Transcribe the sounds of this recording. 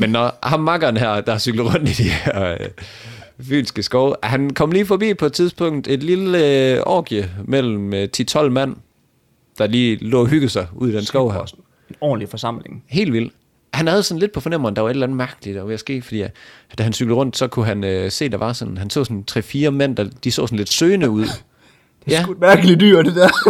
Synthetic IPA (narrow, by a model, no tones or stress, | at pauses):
menːɒhɑ̈mːɑ̈ɡ̥ɐnɦæɐ̰d̥ɑ̈hɑ̈syɡ̥lð̩ˠʁɔ̽n̰d̥id̥ihæɐø | fy̰ːsisɡ̥əsɡ̥ɒʊɦænkʰɒ̽mliːfɒ̽bḭːpʰɒ̽ed̥̚t͡sʰiðˠsb̥ʰɔ̽ŋ̰d̥e̝d̥liləəʔɒ̰ːɡ̥iəmel̰m̩t͡sʰit͡sʰɒ̽l̰mæn̰ | d̥ɑ̈liːlɔ̰ːɦyɡ̥ð̩ˠsɑ̈ɪuð̰ˠid̥ensɡ̥ɒʊ̰hæɐ | nɒ̰ːnlifɒsɑ̈m̰leŋɦe̝̰ːldʋil̰d̥ | hænhæð̞ˠsɒ̽n̩le̝d̥̚pʰɒ̽fɒ̽nem̰ʁɐŋd̥ɑʋɑe̝d̥lænð̩ˠmæɐɡ̥əlid̥ɒʋejæsɡ̥e̝̰ːfɒd̥ḭːd̥æɦænsyɡ̥l̩ˠʁɔ̽n̰d̥sɒ̽kʰuɦænøse̝̰ːd̥ɑ̈ʋɑ̈sɒ̽nhænsɔ̰ːsɒnt͡sʰʁɛ̰fiːɐmen̰d̥ɑ̈d̥isɔ̰̽ːsɒn̩led̥søːnəuð̰̥ˠ | jæ̥mæɐɡ̥əlid̥yɐ̰d̥ed̥ɛɐ